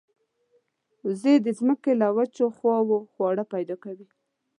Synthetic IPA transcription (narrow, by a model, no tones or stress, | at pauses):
zed̪əzməkelawat͡ʃoxwɑwoxwɑɽapajd̪ɑkawi